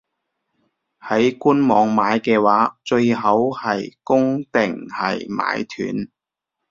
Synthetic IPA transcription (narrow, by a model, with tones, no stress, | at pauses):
hɐ˨˥jkuː˥nmɔː˨˧ŋmaː˨˧jkɛː˧waː˨˥t͡ʃɵ˧ɥɦɐ˨˥whɐ˨jkʊ˥ŋt̪ɪ˨˩ŋhɐ̰˨jma̰ː˨˧jt̪ʰy̰ː˨˥n